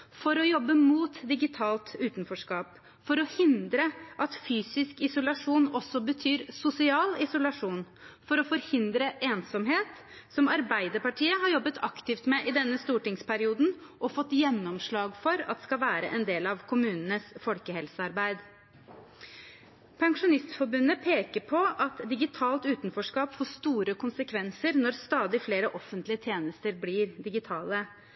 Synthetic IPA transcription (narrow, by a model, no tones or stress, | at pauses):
fɔɾɔjɔbːəmuːt̪d̪ɪɡɪt̪ʰɑːlt̪ʉːt̪nfɔʂkɑːp | fɔɾɔhɪnd̪ɾəʔɑt̪fyːsɪskɪsʊlɑʂuːnɔsːɔbət̪ʰyːɾsʊsɪɑːlɪsʊlɑʂuːn | fɔɾɔfɔɾhɪnd̪ɾəʔeːnsɔmɦeːt̪ | sɔmɑɾbæɪd̪əɾpɑʈʰiːəɦɑɾjɔbːət̪ʰɑkt̪ɪft̪mɛʔɪd̪ɛnːəst̪uːʈɪŋspʰæɾɪuːd̪n̩ʔɔfɔt̪ːjɛnːɔmʂɭɑːɡfɔɾɑt̪d̪skɑʋæːɾə̰ʔɛnd̪eːlɑʋkʰʊmʉːnənəsfɔlkəhɛlsəɑɾbæɪd̪ | pʰɛŋʂʊnɪst̪fɔɾbʉnːəpʰeːkəɾpʰɔʔɑt̪d̪ɪɡɪt̪ʰɑːlt̪ʉːt̪nfɔʂkɑːpfɔːʂt̪uːɾəkʰʊnsəkʰʋɛnsəɾnɔɾst̪ɑːd̪ɪfleːɾəʔɔfənt̪lɪət̪ʰjeːnəst̪əɾblɪɾd̪ɪɡɪt̪ʰɑːlə